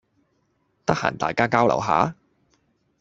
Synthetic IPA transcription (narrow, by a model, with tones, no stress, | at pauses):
t̪ɐ˥k̚ha̰ː˨˩nt̪a̰ː˨jkaː˥kaː˥wlɐ̰˨˩wɦa̰ː˨˥